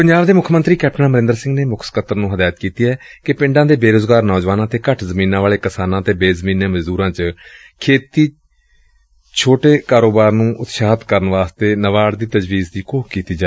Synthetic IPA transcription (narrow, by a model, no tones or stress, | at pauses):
pəɲd͡ʒaːbd̪eːmʊkʰmənt̪ɾiːkɛːp̚ʈənãːməɾɪ̃nd̪əɾsɪ̃ŋɡneːmʊkʰskət̪əɾnũːɦəd̪aːət̪kiːt̪iːɦɛːkɪpɪ̃ɳɖãːd̪eːbeːɾoːzɡaːɾnɔːd͡ʒʋaːnãːt̪eːkəʈʰzəmiːnãːʋaːɭeːkɪsaːnãːət̪eːbeːzəmiːnẽːməd͡ʒd̪uːɾãːt͡ʃ | kʰeːt̪iː | t͡ʃʰoːʈeːkaːɾoːbaːɾnũːʔʊt̪ʃaːt̪kəɾənʋaːst̪eːnəʋaːɽd̪iːt̪əd͡ʒʋiːzd̪iːkoːkkiːt̪iːd͡ʒaː